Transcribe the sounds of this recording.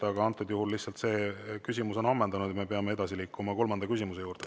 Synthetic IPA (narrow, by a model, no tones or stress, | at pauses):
ɑɡɑɑnt̪ːˑud̪juhulːiht̪sɑlt̪se̞ːkysʲimuso̞nɑmːɑnd̪ɑnud̪̥jɑme̞peɑme̞e̞d̪̥ɑsiliːkʰːˑumɑko̞lmɑnd̪̥ɑkys̬ʲimuse̞juːɾd̪̥e